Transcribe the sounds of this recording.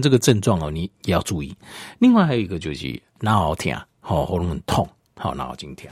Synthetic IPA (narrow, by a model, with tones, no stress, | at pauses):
t͡sə˥˧ɡə˨ʈ͡ʂə˥˧nt͡swɑ˥˨ŋɔ˨˩nĩ˨je˨˦ja˥˧ʊt͡su˥˧ḭ˥˧li˥˧ŋwa˥˩ɪha˧˥jo˨i˧ɡə˧t͡ɕjo˨˩ɕḭ˨ | na˨˦a˨˦ʊt̪ʰja̰˨˩˦ | hɔ˨hɔ˧˦lɔ˧˦ŋə˨˦nt̪ʰɔ˥˨ŋ | hɔ̰˨˩nã̰˦˥a˨ʊt͡ɕi˦ŋt̪ʰjã̰˨˦